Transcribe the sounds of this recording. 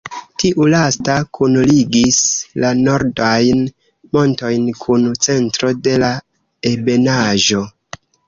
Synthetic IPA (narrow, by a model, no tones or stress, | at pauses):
tiʔulastakʰunliɡislano̞ɾdajn | mo̞nto̞jnkʰunt͡se̞ntɾo̞de̞la | e̞be̞naʒo̞